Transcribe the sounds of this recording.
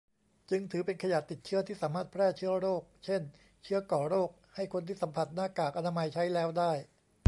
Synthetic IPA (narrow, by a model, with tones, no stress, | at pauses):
t͡ɕɯ˧ŋt̪ʰɯː˩˦pe˧nkʰa˧ja˨˩t̪ːi˨˩t̪̚t͡ɕʰɯ˦˥ɐt̪ʰiː˥˩saː˩˦maː˥˩t̪̚pʰɾɛː˥˩t͡ɕʰɯ˦˥ɐɾoː˥˩k̚t͡ɕʰe˥˩n | t͡ɕʰɯ˦˥ɐkɔː˨˩ɾoː˥˩k̚ha˥˩jkʰo˧nt̪ʰiː˥˩sa˩˦mpʰa˨˩t̪̚naː˥˩kaː˨˩k̚ʔa˧naː˧ma˧jt͡ɕʰa˦˥jlɛː˦˥wdaː˥˩j